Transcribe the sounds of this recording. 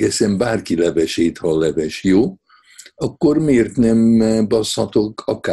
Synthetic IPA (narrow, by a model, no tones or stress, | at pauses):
ɛsɛmbaːrkilɛvɛʃeːt̪hɒlɛvɛʃjoː | ɒkːormeːrt̪nɛmbɒshɒt̪okʰɒka